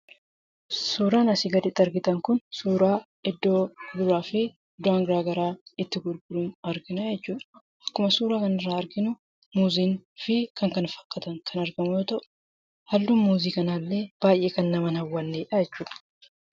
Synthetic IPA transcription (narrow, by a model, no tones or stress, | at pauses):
suːɾaːnɐsɪɡɐd̪ɪt̪ːɐɾɡɪt̪ɐŋkʊnsuːɾaː | ɪd̪ːo̞ːd̪ʊɾaːfɪ | d̪ʊaːŋɡɾaːɡɐɾaːɪt̪ːɪɡʊɾɡʊluːnɐɾɡɪnajɛt͡ʃːuːᶑɐ̥ | ɐkːʊmɐsuːɾaːkɐnɪrːaːɐɾɡɪnʊ | muːziːnfɪkʰɐŋkɐnfɐ̥kːɐt̪ɐŋkʰɐnɐɾɡɐmʊjoːt̪ɐʔʊ̥ | hɐlːuːnmuːziːkɐnaːlːe̞ːb̥aːjʔe̞ːkɐnːɐmɐnhɐwːɐnːeːᶑɐjɛt͡ʃːuːᶑɐ̥